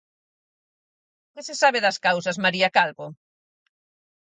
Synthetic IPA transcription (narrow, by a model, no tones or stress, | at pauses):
kɪsɪsaβ̞eðɐskawsɐzmaɾiakalβo